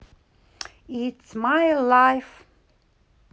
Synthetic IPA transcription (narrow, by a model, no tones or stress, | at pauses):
ɪtsmajlajf